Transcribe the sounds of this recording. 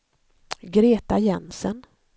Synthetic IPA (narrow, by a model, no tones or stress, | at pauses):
ɡɾeːt̪ajɛnsən